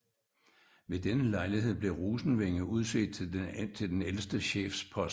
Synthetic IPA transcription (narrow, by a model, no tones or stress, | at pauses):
ʋe̝d̥enəlɑ̈ɪliɦe̝ð̰ˠb̥le̝ʁuːsn̩ʋeŋəuð̞ˠse̝̰ːd̥t͡sʰe̝ld̥enelsd̥əɕḛːfspʰɒ̽s